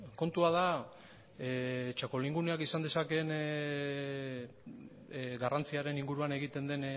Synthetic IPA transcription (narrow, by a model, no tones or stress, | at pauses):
ko̞nt̪uaða | et͡ʃako̞liŋɡuneakisand̪e̞sake̞n | ɡarant͡siaɾe̞niŋɡuɾuane̞ɣ̞it̪e̞nd̪e̞n